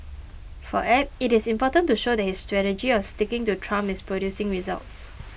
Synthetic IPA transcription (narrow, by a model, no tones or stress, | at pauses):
fɔ̰ʔɛpɪtɪsĩmpɔtə̃ntuʃodɛt̚histɹɛtəd͡ʒiwɔstikɪ̃ŋtutʰɹãmɪspɹodjusɪ̃ŋɹiza̰lts